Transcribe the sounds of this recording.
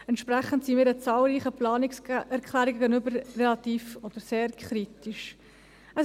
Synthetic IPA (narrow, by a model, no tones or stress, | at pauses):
ɛntʃpɾæχən̩tsimɪːɾət͡sɑːlɾiːχəplɑːnɪsɛɾkʰlæːɾiɡɛɡənʏbəɾrɛlɑt̪iːfɔd̥̪əɾseːɾkʰχɾitiʃ | ə